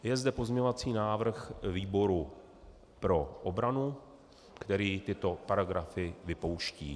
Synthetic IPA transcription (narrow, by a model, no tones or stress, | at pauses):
jɛzd̪ɛpo̞zɲɛɲovat͡siːnaːvr̩xviːbo̞ɾu | pɾo̞ʔobɾanu | kt̪ɛɾiːt̪ɪt̪o̞paɾaɡɾafɪvɪpo̞wʃciː